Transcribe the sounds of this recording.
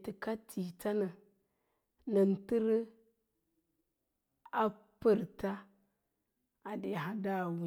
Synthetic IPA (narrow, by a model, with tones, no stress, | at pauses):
ti˨ka˦tʰi˨ta˦na˨ | na˨n˨ti˦ɾ | a˦ | pə˨ɾta˦ | a˨de˨ɦa˦da˦˨wi˨